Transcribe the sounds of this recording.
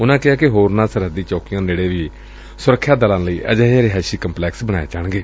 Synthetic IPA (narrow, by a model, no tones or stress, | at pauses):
ʊnãːkɪɦaːkɪɦoːɾnãːsəɾəd̪iːt͡ʃɔːkijãːd͡ʒeːɽeːʋiː | sʊɾəkʰːjaːd̪əlãːləiːʔə̰d͡ʒəːaːɾeɦɛːsiːkəmplɛːksbəɽ̃a̰ːḛːt͡ʃəɳɡeː